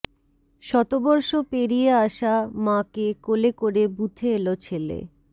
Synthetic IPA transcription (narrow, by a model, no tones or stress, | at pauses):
ʃɔt̪obɔɾʃopeɾieaʃamãkekolekoɾebut̪ʰeelot͡ɕʰelḛ